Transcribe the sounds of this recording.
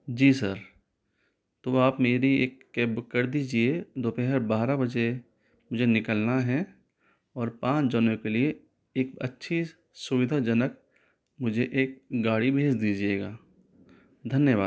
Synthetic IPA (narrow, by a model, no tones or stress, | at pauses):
d͡ʒiːsəɾ | t̪oaːpmeːɾieːkːeːbkəɾd̪iːd͡ʒied̪oːpɛɦəɾbaːɾabɐd͡ʒe | mʊd͡ʒʱenɪkəlnaɦɛ | ɔːɾpãːt͡ʃd͡ʒənẽkelie | eːk̚ɐ̰tːʃʰi | sʊʋɪd̪ʱad͡ʒənək̚ | mʊd͡ʒʱeʔeːk̚ɡaːɽibʱeːt͡ʃd̪iːd͡ʒieːɡaː | d̪ʱɐnjəʋaːd̪